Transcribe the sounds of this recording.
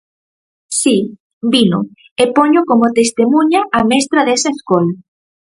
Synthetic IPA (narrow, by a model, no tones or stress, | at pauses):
si | bino̰ | epoɲokomot̪est̪emũɲaːmɛst̪ɾaðesaeskola